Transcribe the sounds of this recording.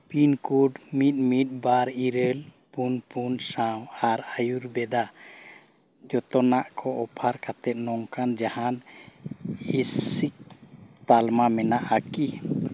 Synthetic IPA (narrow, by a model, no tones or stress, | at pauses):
pinkuɖmit̪̚mit̪̚ˀbaɾiɾəl | punpunsawaɾajuɾbɛd̪a | d͡ʒɔt̪ɔnaʔkʰɔɔpʰaɾkat̪ɛt̪̚nɔŋkand͡ʒahan | isik̚t̪almamɛnaʔaki